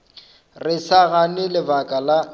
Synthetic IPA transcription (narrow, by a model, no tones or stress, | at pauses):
rɪsaɣanɪlɪbakʼala